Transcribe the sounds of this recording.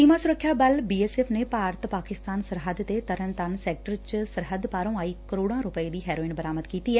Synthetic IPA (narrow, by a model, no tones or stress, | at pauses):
siːmãːsʊɾəkʰːjaːbəlbiːeːsɛːpʰneːpaːɾət̪paːkɪst̪aːnsəɾɦəd̪t̪eːt̪əɾənt̪ənsɛːk̚ʈəɾt͡ʃsəɾɦəd̪paːɾõːaːiːkəɾoːɽãːɾʊpəeːd̪iːɦɛːɾoːɪnbəɾaːməd̪kiːt̪iːɛː